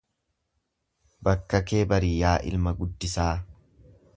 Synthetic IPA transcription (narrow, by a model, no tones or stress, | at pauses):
bɐkːɐkeːbɐɾɪjaːʔɪ̰lmɐɡʊd̪ːɪsaː